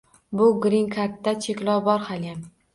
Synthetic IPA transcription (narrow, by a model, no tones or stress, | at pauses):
bʊɡɾiŋkʰat̪ːat͡ʃʰekʲlɒwbɒɾhalɡʲan